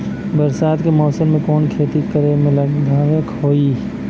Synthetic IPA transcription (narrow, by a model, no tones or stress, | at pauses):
bɐɾsaːt̪kemɔːsəlmːẽkɔːnkʰeːt̪ikəɾemẽlɐakʰoːiː